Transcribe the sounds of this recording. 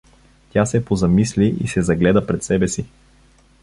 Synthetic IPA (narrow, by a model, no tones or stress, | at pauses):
t̪ʲjasɛpozɐmisliʔḭsɛzɐɡlɛd̪əpɾɛt̪sɛbɛsi